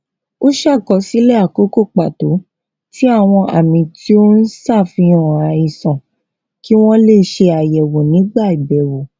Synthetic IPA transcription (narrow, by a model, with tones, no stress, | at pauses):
o˦ʃa˦˨kɔ˧˦si˦lɛ˦a˨ko˨˦ko˦˨k͡pa˨to˨˦ | ti˦a˦˨w̃ɔ̃˧ʔa̰˨mĩ˧ti˦o˦n̩˦sa˦˨fĩ˧ɔ̃˨a˨ĩ˧sɔ̃˨ | ki˦w̃ɔ̃˦le˦˨˦ʃe˧a˨jɛ˨wo˨nĩ˨˦ɡ͡ba˦˨i˨bɛ˨wo˨